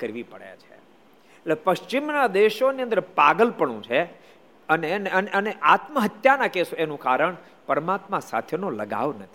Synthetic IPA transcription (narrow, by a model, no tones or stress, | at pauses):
kəɾʋipəɽja̰t͡ʃʰe | tlepəʃt͡ʃimnad̪eʃoniə̃nd̪əɾpaɡəlpəɳũt͡ʃʰe | əneneəneʔəneʔat̪məɦət̪janakesoenũkaɾəɳ | pəɾəmat̪mãsa̰t̪ʰenoləɡa̰ʋnət̪ʰi̥